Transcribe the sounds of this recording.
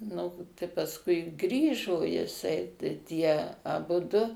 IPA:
ˈnʊ tɐɪ pɐsˈkʊɪ ˈɡrʲiːʒoː jɪˈsɐɪ tɐɪ ˈtʲiɛ ɐˈbʊdʊ

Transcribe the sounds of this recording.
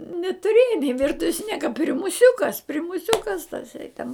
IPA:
nʲɛtʊˈrʲeːjɛ nʲɪ ˈʋʲɪrtʊʋʲɛs ˈnʲiɛkɐ pʲrʲɪmʊˈsʲʊkɐs pʲrʲɪmʊˈsʲʊkɐs tɐˈsɐɪ tʲɛn

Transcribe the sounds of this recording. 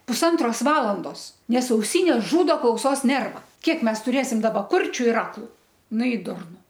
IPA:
pʊsˈɐntroːs ˈʋɑːlˠɐndoːs ˈnʲɛs ɐʊˈsʲiːnʲeːs ˈʒuːdoː klˠɐʊˈsoːs ˈnʲɛrʋɐ ˈkʲiɛk ˈmʲɛs tʊˈrʲeːsʲɪm ˈdɑːbɐ ˈkʊrʲt͡ʃʲʊ ɪr ˈɑːklˠʊ ˈnʊ ɪ ˈdʊrnʊ

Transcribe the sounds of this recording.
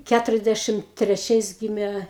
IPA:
ˈkʲætʊrʲɛzʲˌdʲæʃʲɪm tʲrʲɛˈt͡ʃʲɛɪs ˈɡʲiːmʲɛ

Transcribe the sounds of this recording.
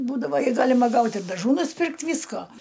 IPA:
ˈbuːdɐʋoː ɪ ˈɡɑːlʲɪmɐ ˈɡɐʊtʲ ɪr dɐˈʒuː nʊsʲˈpʲɪrktʲ ˈʋʲiːskoː

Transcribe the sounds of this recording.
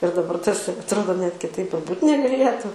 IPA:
ɪr dɐˈbɐr ˈtɐs ɐtˈroːdoː nʲɛt kʲɪˈtɐɪp ɪr ˈbuːtʲ nʲɛɡɐˈlʲeːtʊ

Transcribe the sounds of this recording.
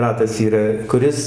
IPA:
ˈrɑːtɐs iːˈrɐ kʊˈrʲɪs

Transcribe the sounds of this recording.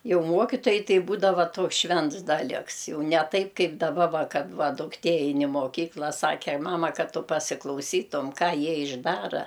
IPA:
ˈjɛʊ ˈmuɔkʲɪtoːjɛɪ ˈtɐɪ ˈbuːdɐʋɐ ˈtoːks ˈʃʲʋʲɛnts ˈdɑːlʲɪks ˈjɛʊ nʲɛ ˈtɐɪp ˈkɐɪp dɐˈbɐ ˈʋɐ ˈkɐt ˈʋɐ dʊkˈtʲeː ˈɛɪn ɪ moːˈkʲiːklˠɐ ˈsɑːkʲɛ ˈmɑːmɐ ˈkɐt ˈtʊ pɐsʲɪklˠɐʊˈsʲiːtʊm ˈkɑː ˈjiɛ ɪʒˈdɑːrɐ

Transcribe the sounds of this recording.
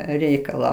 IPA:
ˈrʲɛɪkɐlˠɑː

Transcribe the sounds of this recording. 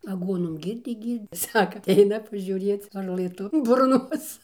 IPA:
ɐˈɡuɔnoːm ˈɡʲiːrʲdʲeː ˈɡʲiːrʲtʲ ˈsɑːkɐ ɐtʲˈɛɪnɐ pɐʒʲuːˈrʲeːt͡s ʋɐrˈlˠɘ ˈtʊ bʊrˈnoːs

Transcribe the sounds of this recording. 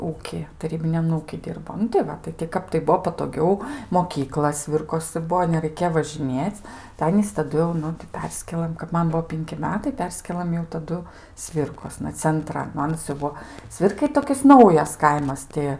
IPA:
ˈuːkʲiː tɐˈrʲiːbʲɪnʲɛm ˈuːkʲiː ˈdʲɪrboː nʊ tɐɪ ˈʋɐ tɐɪ tʲɪ ˈkɐp tɐɪ ˈbuɔ pɐtoːˈɡʲɛʊ moːˈkʲiːklˠɐ ˈsʲʋʲɪrkoːsɨ ˈbuɔ nʲɛrɐɪˈkʲeː ʋɐʒʲɪˈnʲeːt͡sʲ tɐɪ ˈɑːnʲiːs tɐˈdʊ jɛʊ ˈnʊ tɐɪ ˈpʲɛrʲsʲkʲeːlˠɘm kɐp ˈmɐn ˈbuɔ ˈpʲɪŋʲkʲɪ ˈmʲæːtɐɪ ˈpʲɛrʲsʲkʲeːlˠɐm jɛʊ tɐˈdʊ ˈsʲʋʲɪrkoːsnɐ t͡sʲɛnˈtrɐn nʊ ˈɑːnɐs jɛʊ ˈbuɔ ˈsʲʋʲɪrkɐɪ ˈtoːkʲɪs ˈnɐʊjɛs ˈkɐɪmɐs ˈtʲɪ

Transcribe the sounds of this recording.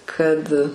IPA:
ˈkɐt

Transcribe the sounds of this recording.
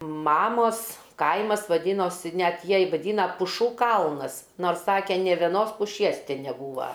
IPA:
ˈmɑːmoːs ˈkɐɪmɐs ʋɐˈdʲiːnoːsʲɪ ˈnʲɛt ˈjiɛj ʋɐˈdʲiːnɐ pʊˈʃuː ˈkɐlˠnɐs ˈnoːrs ˈsɑːkʲɛ nʲeː ʋʲɛˈnoːs pʊˈʃʲiɛs ˈtʲɪ nʲɛˈbuːʋɐ

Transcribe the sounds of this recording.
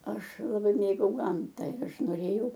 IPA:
ˈɐʃ lˠɐˈbɐɪ ˈmʲeːɡɐʊ ˈɡɐmtɐ ɪr ˈɐʃ noːˈrʲeːjɛʊ

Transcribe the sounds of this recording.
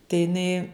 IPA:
tɐɪ jɪˈnɐɪ

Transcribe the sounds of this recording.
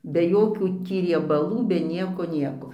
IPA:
bʲɛ ˈjoːkʲuː ˈtʲiː rʲiɛbɐˈlˠuː bʲɛ ˈnʲiɛkoː ˈnʲiɛkoː

